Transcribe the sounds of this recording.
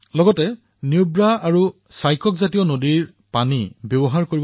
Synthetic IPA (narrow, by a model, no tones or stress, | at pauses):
lɔɡɔtɛ | niubɹaaɹu | sajkɔkzatijɔnodiɹ | panibjɔbɔɦaɹkoɹib